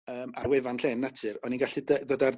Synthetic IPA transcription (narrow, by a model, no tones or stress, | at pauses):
əːma̰rwɛvanɬɛnːatʰɨɾɔniɡaɬiddoːdar